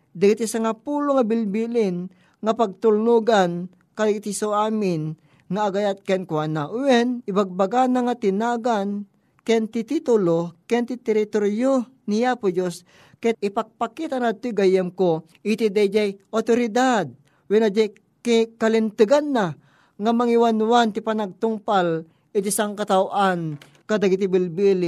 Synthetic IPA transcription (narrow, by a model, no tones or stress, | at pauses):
d̪ɐɡit̪isaŋapuloŋabɪlbilɪn | ŋapaɡ̚t̪ʊlnuɡan | kad̪ɡit̪isoaːmɪn | ŋaːɡajat̪̚kɛnkwanaʔwɛnɪbaɡ̚baɡanaŋat̪ɪnaɡan | kɛnt̪it̪it̪ʊlokɛnt̪it̪ɛɾit̪oɾjo | nijapod͡ʒos | kɛt̪̚ɪpɐɡ̚pakit̪anat̪ːʊjɡajɛmko | ʔit̪id̪ajd͡ʒajʔot̪oɾɪd̪ad̪̚ | wɛnad͡ʒaj | kikɐlɪnt̪ɨɡanːa | ŋamɐŋiwanuwant̪ipanaɡ̚t̪ʊŋpal | ɪt̪isaŋkɐt̪awʔan | kad̪aɡit̪ɪbɪlbili